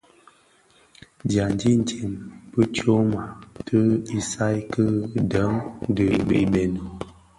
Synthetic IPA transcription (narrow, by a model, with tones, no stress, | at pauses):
dja˨n˦di˦n̩˨te˨mbə˦t͡ʃo˦ma˨tʰə˦i˨sa˦jkə˦də˨˦ŋ˦də˨bḛ˨˦be˨no˨